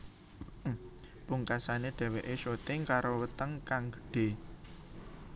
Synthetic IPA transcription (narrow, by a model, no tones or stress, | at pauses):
puŋkasaneɖ̪̥ɛ̤weʔesot̪ɪŋkaɾowət̪əŋkaŋɡə̥̤ɖ̥e̤